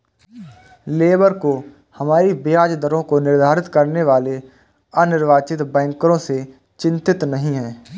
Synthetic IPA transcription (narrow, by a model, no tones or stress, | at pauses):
leːbəɾko | həmaːɾibeaːd͡ʒd̪əɾõkonɪɾd̪ʱaːɾɪt̪kəɾneʋaːle | ənɪɾʋaːt͡ʃɪt̪bɛ̃ːŋkɾõse | t͡ʃɪ̃nt̪ɪt̪nəɦĩɦɛː